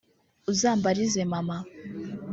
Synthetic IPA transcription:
uzaːmbaɾize̞mama

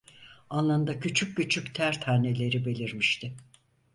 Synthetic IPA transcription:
anlˠand̪acʰyt͡ʃʰyk̚ːyt͡ʃʰyct̪ʰæɾt̪ʰhaɾne̞lʲe̞ɾibe̞lʲiɾmiʃt̪ʰɪ

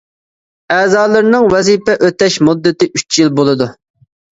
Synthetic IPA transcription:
ɛːzɑːlˠɨɾnɨŋwɛzipɛʔøt̪ɛʃmud̪ːɨt̪ɪʔyt͡ʃʰjilˠbolˠɨd̪u

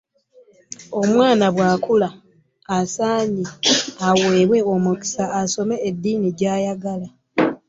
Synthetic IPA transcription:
o̞mwaːnaβwaːkulaː | saːɲiaweːβwe̞omuki̥saːso̞me̞ːd̪ːiːniɟaːjaɡala

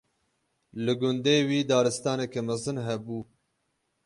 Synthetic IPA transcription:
lɨɡʊnd̪eːwiːd̪ɑːɾɨst̪ɑːnekɛmæzɨnɦɛbuː

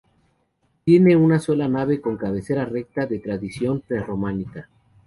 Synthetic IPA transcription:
t̪je̞ne̞unaso̞lanaβe̞ko̞ŋkaβe̞se̞ɾare̞k̚t̪aðe̞t̪ɾaðisjo̞mpɾero̞mãnika

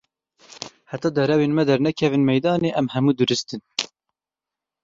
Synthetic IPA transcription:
hæt̪ɑːd̪ɛɾɛweːnmɛd̪ɛɾnɛkʰɛvɨnmɛjd̪ɑːneːʔɛmhɛmuːd̪ɨɾɨst̪ɨn

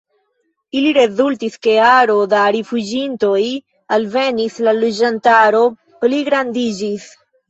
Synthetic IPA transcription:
iliɾe̞zultiske̞aɾo̞daɾifud͡ʒinto̞j | alve̞nislalod͡ʒantaɾo̞ | pliɡɾandid͡ʒis

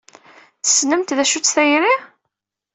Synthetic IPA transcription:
θə̥snəmt̪ðæʃut͡sːθæjɾi

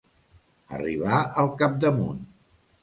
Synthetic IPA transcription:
ə̰riβaəlˠkap̚d̪əmun

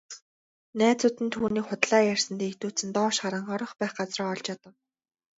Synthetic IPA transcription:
næːt͡sʊt̪ɘ̆nt̪ʰuːniːkχʊt̪ɮaːjær̥sɘ̆nt̪eːkt̪uːt͡sɘ̆nt̪ɔːʃɢaɾə̆ɴɔɾɞ̆χpæːχɢat͡srɔːɔɮt͡ɕat̪ə̆w

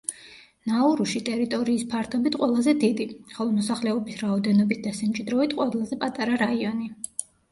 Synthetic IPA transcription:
nauɾuʃit̪ʼɛɾit̪ʼɔɾiːspʰaɾt̪ʰɔbit̪ʰqʼwɛlˠazɛd̪id̪iχɔlˠɔmɔsaχlɛɔbisɾaɔd̪ɛnɔbit̪̚ʰd̪̥asamt͡ʃʼid̪ɾɔvit̪ʰqʼwɛlˠazɛpʼat̪ʼaɾaɾaiɔni

